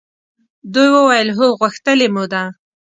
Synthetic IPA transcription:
d̪ujwəwajəlɦoɣəxt̪əlemud̪a

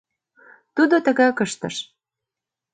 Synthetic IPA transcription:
t̪ud̪ot̪ə̆ɣɑkəʃt̪ə̰̆ʃ

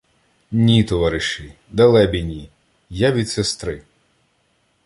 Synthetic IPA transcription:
nʲit̪ɔʋɑɾɪʃɪ | d̪ɐlˠɛbʲinʲi | jaʋʲid̪sest̪ɾɪ

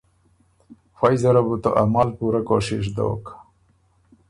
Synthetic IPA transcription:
fajzɐɾɐbut̪o̰ʔɐmaːlpuɾɐkoːʂiʂd̪o̰ːk

